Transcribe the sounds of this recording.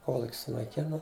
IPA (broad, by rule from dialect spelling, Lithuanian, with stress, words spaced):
ˈkoːlˠʊkʲ sʊnɐɪˈkʲɪnɐ